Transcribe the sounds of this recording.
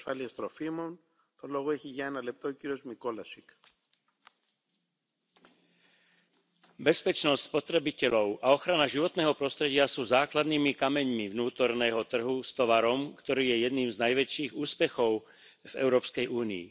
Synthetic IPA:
faliest̪ɾofimon | t̪olɔɣoɛçiʝaɛnalɛp̚t̪oːciɾiozmikolasik | bɛspɛt͡ʃnɔst̪ʲspɔt̪ɾɛbicɛʎɔʊʔaɔxɾanaʒiʋɔt̪nɛːɦɔpɾɔst̪ɾɛɟɪasuːzaːklad̪niːmikamɛɲmivnuːt̪ɔɾnɛːɦɔt̪r̩ɦust̪ɔʋaɾɔmkt̪ɔɾiːjɛjɛd̪niːmznajʋɛt͡ʃiːɣuːspɛxɔʊ | vɛ̰ʊɾɔːpskɛjʔuːniḭ

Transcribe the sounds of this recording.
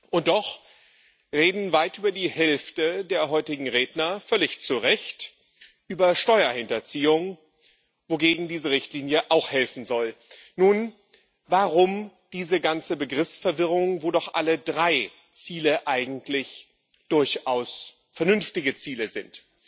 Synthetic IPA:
ʔʊnt̚d̥ɔχ | ʁeːdn̩vaɪtʔyːbɐdiːhɛlftədeːɐɦɔʏtɪɡŋ̩ʁeːdnɐfœlɪçt͡suʁɛçt | ʔyːbɐʃtɔʏɐhɪntɐt͡siːʊŋ | voɡeːɡŋ̩diːzəʁɪçtliːnjəʔaʊxhɛlfn̩zɔlnuːn | vaʁʊm | d̥iːzəɡant͡səbəɡʁɪfsfɛɐvɪʁ̞ʊŋvoːdɔχʔa̰lədʁaɪ | t͡siːləʔaɪɡŋ̩tʰlɪç | d̥ʊɐçʔaʊs | fɛɐnʏnftɪɡət͡siːləzɪnt

